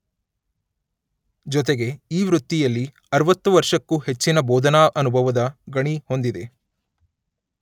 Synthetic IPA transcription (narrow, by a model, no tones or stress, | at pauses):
d͡ʒɔt̪eɡe̞iːʋɾut̪ːijɐlːi | ɐɾʋɐt̪ːuʋɐɾʂɐkːuhe̞t͡ʃːinɐbɔːd̪ʱɐnaːʔɐnubʱɐʋɐd̪ɐɡɐɳiho̞nd̪id̪e̞